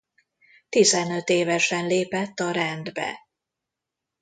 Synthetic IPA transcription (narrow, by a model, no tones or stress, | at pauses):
t̪izɛnø̞t̪eːvɛʃɛnleːpɛt̪ːɒɾɛnd̪bɛ̰